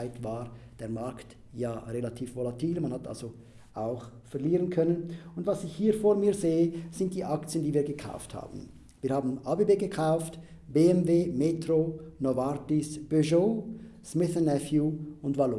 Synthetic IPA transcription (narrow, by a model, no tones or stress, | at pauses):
ɪtvaːʁd̥eːɐmaɐkt | jaːʁelatʰiːfvolatʰiːlmanhatʰʔa̰lz̥o | ʔaʊxfɛɐliːʁənkʰœnənʊndvasɪçhiːfoːɾmiːɐzeːəz̥ɪnt̚d̥iːʔakt͡sjəndiːviːɐɡəkʰa̰ʊftha̰ːbn̩ | viːɐhaːbn̩ʔaːbebeːɡəkʰaʊft | b̥eːɛmveːmeːtʁonovaɾtɪsb̥øʒosmɪθɛnɛfjuʊntvalo